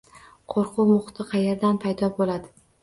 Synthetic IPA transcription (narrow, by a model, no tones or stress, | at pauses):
qʰoɾqʊwmʊχt̪ʰɨqʰɑjeɾd̪anpʰajd̪ɒbolad̪ɪ